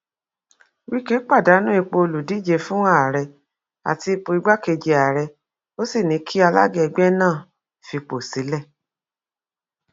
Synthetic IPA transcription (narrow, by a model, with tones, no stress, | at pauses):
wi˦ke˦k͡pa˦˨da˨˦nũ˦i˧k͡po˧o˧lu˨di˨˦d͡ʒe˧fũ˦ã˦a˨ɾɛ˧ | a̰˨ti˧i˧po˧i˧ɡ͡ba˦ke˧d͡ʒe˧a˨ɾɛ˧ | o˦si˦˨nĩ˨˦kʰi˦a˧la̰˦ɡɛ˦ɛ˧ɡ͡bɛ˦nãː˦˨ | fi˧k͡po˨si˨˦lɛ˦˨